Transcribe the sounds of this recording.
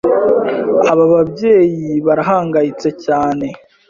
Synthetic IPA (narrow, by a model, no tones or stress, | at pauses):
aβaβabje̞ːjiβaɾaɦaːŋɡajit͡se̞caːne̞